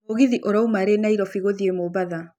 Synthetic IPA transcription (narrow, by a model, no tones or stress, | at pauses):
oɣiðiʔoɾaumaɾenaiɾɔfiɣoðiemoβaða